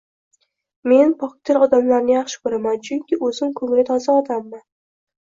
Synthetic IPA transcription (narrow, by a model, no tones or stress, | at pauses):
me̞npʰɒk̚t̪ʰɪɾɒd̪amlaɾnɪjɑχʃɪ̥kʰɵɾamant͡ʃʰʊŋkʲɪɵzɪmkʰɵŋɪlɪt̪ʰɒzaɒd̪amːan